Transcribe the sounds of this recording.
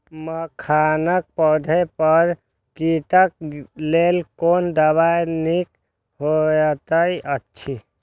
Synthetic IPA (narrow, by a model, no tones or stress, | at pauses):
məkʰanək̚pəd̪ʱəpəɾ | kiʈək̚lelkond̪əbajnik | ɦojət̪əiʔətːt͡ʃʰi